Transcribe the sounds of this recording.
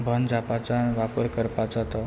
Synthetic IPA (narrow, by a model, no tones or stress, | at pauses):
bʱənd͡zʱapat͡sanʋapəɾkəɾpat͡sat̪ɔ